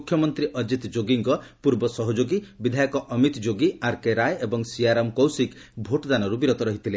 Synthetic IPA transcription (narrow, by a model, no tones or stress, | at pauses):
ukʰjɔmɔnt̪ɾiʔɔd͡ʒit̪d͡ʒoɡiŋkɔpuɾbɔsɔɦɔd͡ʒoɡibid̪ʱajɔkɔʔɔmit̪d͡ʒoɡiaɾkeɾajebɔŋsiaɾɔmkowsikbʱoʈd̪anɔɾubiɾot̪ɔɾɔɦit̪ʰile